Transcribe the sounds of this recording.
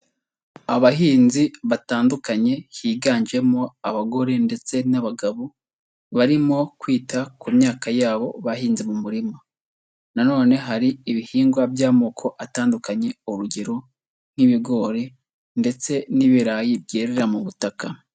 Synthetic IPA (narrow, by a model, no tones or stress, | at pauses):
aβahiːnziβataːndukaɲe̞hiːɡaːɲd͡ʒe̞mo̞aβaɡo̞ɾe̞nde̞t͡se̞naβaɡaβo | βaɾimo̞kwiːtakumɲaːkajaːβo̞βaɦiːnzimumuɾima | nano̞ːne̞ɦaɾiiβihiːŋɡwabjaːmoːkʰo̞ʔataːndukaɲe̞uɾuɟe̞ɾo̞ | n̥iβiɡo̞ːɾe̞ | nde̞t͡se̞niβiɾaːjibɟe̞ːɾe̞ɾamuβutaka